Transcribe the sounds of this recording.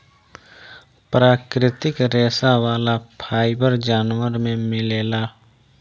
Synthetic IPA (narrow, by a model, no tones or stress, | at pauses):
pɾaːkɾɪt̪ɪkɾɛːsawaːlapʰaːɪbəɾd͡ʒaːnwəɾmẽmɪleːlaː